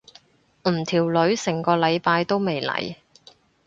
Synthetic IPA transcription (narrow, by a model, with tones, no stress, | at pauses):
m̩˨˩t̪ʰiː˨˩wlɵ˨˧ɥsɪ˨˩ŋkɔː˧lɐ˨˧jpaː˧jt̪o˥wme˨jlɐ̰˨˩j